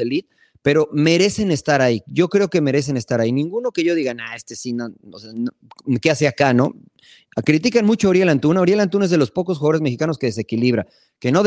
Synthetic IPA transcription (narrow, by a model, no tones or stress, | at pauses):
elit̪̚ | pe̞ɾo̞me̞ɾe̞se̞ne̞st̪aɾaiɟ͡ʝo̞kɾe̞o̞ke̞me̞ɾe̞s̬e̞ne̞st̪aɾainĩŋɡuno̞ke̞ʝo̞ðiɣanae̞st̪esinoosean | keaseakano̞̰ | kɾit̪̬ikanmut͡ʃooɾjelant̪unaoɾjelant̪̬unaezðelospo̞kosxwuɣaðoezme̞xikanoske̞ðe̞se̞kiliβɾa | ke̞no̞ð